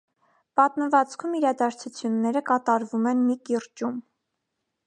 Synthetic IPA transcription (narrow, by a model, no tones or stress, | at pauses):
pɑt̪məvɑt͡skʰumiɾɑd̪ɑɾt͡sʰut͡sʰjunːɛɾəkɑt̪ɑɾvumɛnmikiɾt͡ʃum